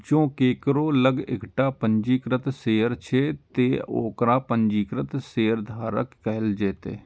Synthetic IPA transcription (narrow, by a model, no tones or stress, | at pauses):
d͡ʒõːkeːkəɾoːləɡɪ̰kʈaːpəɲd͡ʒiːkɾət̪seːɾt͡ʃʰeːt̪eːo̰ːkɾãːpəɲd͡ʒiːkɾət̪seːɾd̪ʱaːɾə̰kːɛɦɪld͡ʒeːt̪ḛː